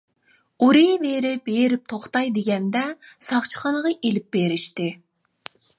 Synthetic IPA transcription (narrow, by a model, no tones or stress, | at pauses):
uɾeveɾɪbeɾɪp̚t̪ʰoχt̪ɑjd̪eɡʲɛnd̪ɛsɑχt͡ʃʰə̥χɑnəʁɑʔelɪp̚beɾɪʃt̪ɪ